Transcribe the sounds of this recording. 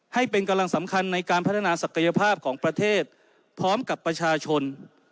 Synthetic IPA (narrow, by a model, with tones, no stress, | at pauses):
ha˥˩jpe˧nka˧mla˧ŋsa˩˦mkʰa˧nːa˧jkaː˧npʰa˦˥t̪ʰːa˧naː˧sa˨˩kʰa˧ja˧pʰaː˥˩p̚kʰɔː˩˦ŋpɾa˧t̪ʰeː˥˩t̪̚ | pʰɾɔː˦˥mka˨˩pːɾa˧t͡ɕʰaː˧t͡ɕʰo˧n